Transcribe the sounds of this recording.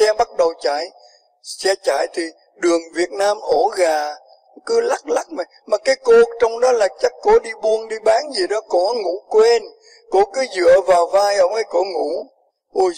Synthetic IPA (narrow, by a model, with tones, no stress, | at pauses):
ɛ˧ɓa˦˥t̚ɗə˨˩wt͡ɕa̰ː˧˨j | sɛ˧t͡ɕa̰ː˧˨jt̪ʰi˨˩ | ɗɨ˨˩əŋvi˨˩ət̚naː˧mʔo˧˩˦ɣaː˨˩ | kɨ˨˦la˦˥k̚la˦˥k̚ma˨˩jmaː˨˩kaː˨˦jko˧t͡ɕɔ˧wŋ͡mɗɔ˨˦laː˨˩t͡ɕa˦˥k̟̚ko˧˥˦ɗi˧ɓu˧ənɗi˧ɓaː˨˦ŋzi˨˩ɗɔ˨˦kɔ˧˦ŋu˧˥kwe˧n | ko˧˦kɨ˨˦zɨ̰˧˨əvaː˨˩wvaː˧jʔə˧˩wŋ͡mʔə˧˩jko˧˦ŋṵ˧˩˥ | ʔu˧˩